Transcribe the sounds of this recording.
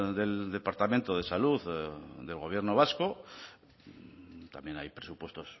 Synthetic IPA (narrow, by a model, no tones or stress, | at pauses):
ðe̞ld̪e̞paɾt̪amẽnt̪o̞ðe̞saluððe̞lɣo̞β̞je̞ɾno̞βasko̞ | t̪amje̞najpɾesupwe̞st̪o̞s